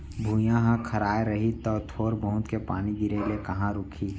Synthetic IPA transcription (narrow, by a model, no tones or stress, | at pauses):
bʱũːjãɦãkʰɐɾaːeɾɐɦit̪ɔːt̪ʰoːɾbəɦʊ̃t̪kepaːniɡ̪iɾelekɐɦãɾʊkʰi